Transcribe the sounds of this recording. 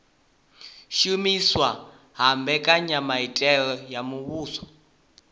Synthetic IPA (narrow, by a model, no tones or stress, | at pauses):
ʃumiswa | ɦambɛkʼaɲamaitʼɛlɔjamuβuːsɔ̥